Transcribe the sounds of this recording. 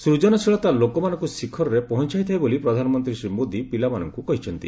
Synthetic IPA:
sɾud͡ʒɔnɔsʰiɭɔt̪alokɔmanɔŋkusikʰɔɾɔɾepɔɦɔnt͡ʃaɦjt̪ʰajbolipɾɔd̪ʱanɔmɔnt̪ɾisɾimod̪ipilamanɔ̰ŋkukɔɦit͡ʃʰɔnt̪ḭ

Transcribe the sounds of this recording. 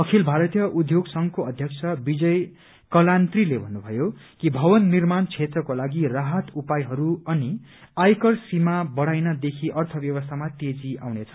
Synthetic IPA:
ʌkʰilbʱaɾʌt̪jʌʔud̪ʱjoɡsʌŋkoʌd̪ʱjʌkt͡sʰʌbid͡zʌj | kʌlant̪rilebʱʌnːubʱʌjokibʱʌwʌnːirmant͡sʰet̪rʌkolaɡiraɦʌt̪upajɦʌɾuʌni | ajkʌrsimabʌɽ̤ajnʌd̪ekʰiʔʌrt̪ʰʌbjʌwʌst̪ʰamat̪ed͡zia̰wnet͡sʰʌ̥

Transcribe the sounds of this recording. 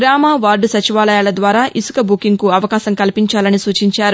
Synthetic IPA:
ɡɾaːmaːʋaːɾɖusɐt͡ʃiʋaːlɐjaːlɐd̪ʋaːɾaːʔisu̥kɐbukiŋkuɐʋɐkaːsɐŋkɐlipiɲt͡ʃaːlɐnisuːt͡ʃiɲt͡ʃaːɾu

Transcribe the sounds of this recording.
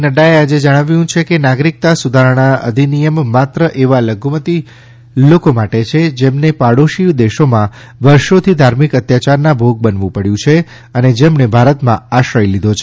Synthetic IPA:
nəɖaead͡ʒed͡ʒəɽ̃aʋjũt͡ʃʰekenaɡɾik̚t̪asud̪ʱaɾəɽ̃aə̰d̪ʱinijəmːat̪ɾəʔeʋaləɡʱumət̪i | lokomaʈet͡ʃʰed͡ʒemnepaɽoʃiʋd̪eʃomã | ʋəɾʃot̪ʰid̪ʱaɾmikət̪jat͡ʃaɾnabʱoɡ̚bənʋũpəɽjũt͡ʃʰe | əned͡ʒemɳebʱaɾət̪mã̰aʃəjlid̪ʱot͡ʃʰe

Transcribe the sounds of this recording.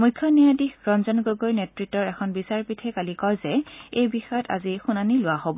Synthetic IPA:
mujkʰːjɔnijadixɹɔnzɔnɡoɡojnetɹitːɔɹɛkʰɔnbisaɹpitʰɛkalikɔjzɛejbixɔjɔtʰa̰zixunanilʊwaɦobɔ

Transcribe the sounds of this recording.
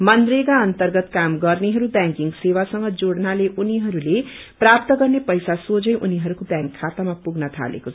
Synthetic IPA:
mʌnd̪reɡaʌnt̪ʌrɡʌt̪kamɡʌrneɦʌɾubjaŋkiŋɡsewasʌŋɡʌd͡zoɽnaleʔuniɦʌɾule | prap̚t̪ʌɡʌrnepʌjsasod͡zʌjʔuniɦʌɾukobjaŋkʰːat̪amapuɡnʌt̪ʰa̰lḛkot͡sʰʌ

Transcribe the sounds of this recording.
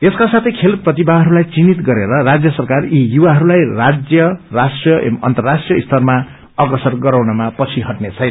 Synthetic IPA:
eskasat̪ʰʌjkʰelprʌt̪ibaɦʌɾulajt͡sinit̪ɡʌɾeɾʌrad͡zjʌsʌrkarijuwaɦʌɾulajrad͡zjʌrasʈrjʌ̰mʌ̰nt̪ʌrːasʈrijʌist̪ʰʌrma | ʌɡʌsʌrɡʌɾawnʌmapʌt͡sʰiɦʌʈnet͡sʰʌjn

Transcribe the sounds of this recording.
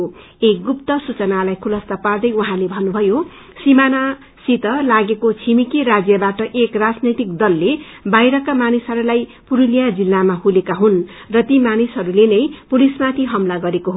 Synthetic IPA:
eɡupt̪ʌsut͡sʌnalajkʰulʌst̪apard̪ʌjwuɦãlebʱʌnːubʱʌjo | simana | sit̪ʌlaɡekot͡sʰimikiɾad͡zjʌbaʈʌʔekrad͡znʌjt̪ik̚d̪ʌlːebajɾʌkamanisʌɾulajpuɾulijad͡zilːamahulekaɦun | rʌt̪imanisɦʌɾulenʌjpulismat̪ʰiɦʌmlaɡʌɾekoɦo

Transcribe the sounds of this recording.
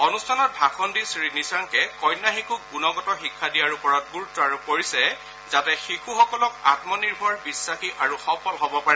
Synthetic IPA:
ɔnustʰanɔt̚bʱakʰɔndisɹinisaŋkɛkɔjnːaxikʰuk̚bunɔɡɔtɔxikʰːadijaɹupɔɹɔt̚ɡuɹutːɔaɹupoɹisɛ | zatɛxixʰuxɔkɔlɔk̚a̰tmɔniɹbʱɔɹbisːaxiʔaɹuxɔpɔlɦɔbɔpaɛ

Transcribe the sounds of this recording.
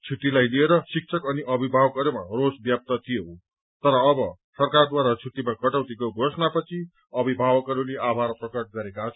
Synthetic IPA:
t͡sʰut̪ilajlieɾʌsik̚t͡sʰʌkʌniʔʌbʱibʱabʌkʌɾumarosbjap̚t̪ʌt̪ʰijo | t̪ʌɾʌːbʌ | sʌrkard̪waɾat͡sʰut̪imakʌʈawt̪ekoɡʱosnapʌt͡sʰi | ʌbʱibʱabʌkʌɾuleʔabʱarprʌkʌʈ̚ɡʌɾekat͡sʰ

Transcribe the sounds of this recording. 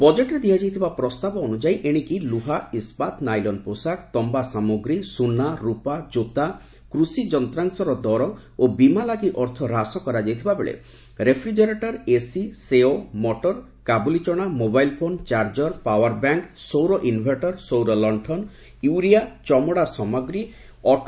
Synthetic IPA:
bɔd͡ʒeʈɔɾed̪iad͡ʒajt̪ʰibapɾɔst̪abɔːnud͡ʒajʔeɽ̃ikiluɦaispat̪najlɔnposakt̪ɔmbasamoɡɾisunːaɾupad͡ʒot̪a | kɾusid͡ʒɔnt̪ɾaŋsɔɾɔd̪ɔɾɔ | obimalaɡiʔɔɾt̪ʰɔɾasɔkɔɾad͡ʒajt̪ʰibabeɭḛ | ɾepʰɾid͡ʒeɾeʈɔɾesiseomɔʈɔɾ | kabulit͡ʃɔɽ̃amobajlpʰont͡ʃaɾd͡ʒɔɾpawaɾbaŋksowɾɔʔinbʱeʈɔɾsowɾɔlɔɳʈʰɔn | juɾiat͡ʃɔmɔɽasɔmɔɡɾi | ɔ

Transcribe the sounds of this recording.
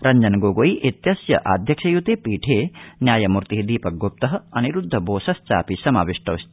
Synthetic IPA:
ɾɐɲd͡ʒɐnɐɡoːɡojʔet̪jɐsjɐ̰ʔa̰ːd̪ʱjɐkʃɐjut̪eːpiːʈʰeːnjaːjɐmuɾt̪iɦid̪iːpɐɡop̚t̪ɐɦɐɐniɾud̪ʱːɐboːsɐst͡ʃa̰ːpisɐma̰ːʋiʂʈʰɐʋst̪

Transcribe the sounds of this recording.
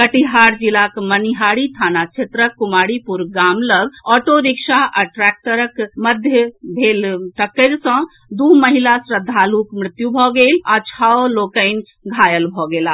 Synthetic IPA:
kəʈiɦaɾd͡ʒilakməniɦaɽit̪ʰanat͡ʃʰet̪ɾəkːumaɽipuɾɡamləɡɔʈoɾikʃaʔəʈɾak̚ʈəɾəkməd̪ʱjəbʱelʈəkːəɾsə̃ | d̪uməɦilasɾəd̪ʱːalukmɾɪt̪jubʱɔɡelat͡ʃʰɔlokəɪn | ɡʱajəlbʱɔɡela

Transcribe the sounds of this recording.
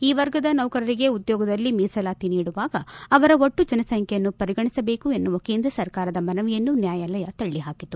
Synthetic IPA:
iːʋɐɾɡɐd̪ɐnɐʋkɐɾɐɾiɡe̞ud̪jɔːɡɐd̪ɐlːimiːsɐlaːt̪iniːɽuʋaːɡɐːʋɐɾɐoʈːud͡ʒɐnɐsɐŋkʰɛjɐnːupɐɾiɡɐɳisɐbe̞ːkue̞nːuʋɐkeːnd̪ɾɐsɐɾkaːɾɐd̪ɐmɐnɐʋijɐnːunjaːjaːlɐjɐt̪ɐɭːiɦaːkit̪ːu

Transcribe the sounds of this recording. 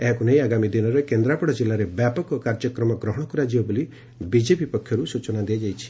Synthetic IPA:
eɦɔkunejaɡamid̪inɔɾekend̪ɾapɔɽɔd͡ʒilːaɾebjapɔkɔkaɾd͡ʒɔkɾɔmɔɡɾɔɦɔɽ̃ɔkɔɾad͡ʒibɔboli | bid͡ʒepipɔkʰːjɔɾusut͡ʃɔnad̪ijad͡ʒajt͡ʃʰi̥

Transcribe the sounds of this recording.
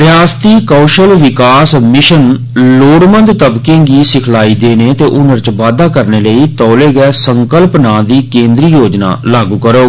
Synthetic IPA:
ɾɪjaːst̪iːkɔːʃəlʋɪkaːsmɪʃən | loːɽmənd̪t̪əbkẽːɡiːsɪkʰlaːiːd̪eːneːt̪eːʔʊnəɾt͡ʃʋaːd̪aːkəɾneːləiːt̪ɔːleːɡɛːsəŋkəlpnaːd̪iːkẽːnd̪ɾiːjoːd͡ʒna̰ːlaːɡuːkəɾoː

